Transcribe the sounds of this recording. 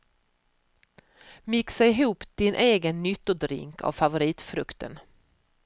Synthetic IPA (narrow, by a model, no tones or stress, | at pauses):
mɪksaɪɦuːpd̪̥ɪnʔeːɡənːʏt̪ːʊd̪ɾɪ̰ŋkʰa̰vfavʊɾiːt̪fɾɵkt̪ə̰n